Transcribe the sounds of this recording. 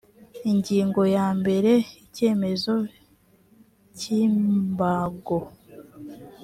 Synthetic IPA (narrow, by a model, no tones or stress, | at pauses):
iɲɟiːŋɡo̞jaːmbe̞ɾe̞ice̞ːme̞zo̞ | ciːmbaɡo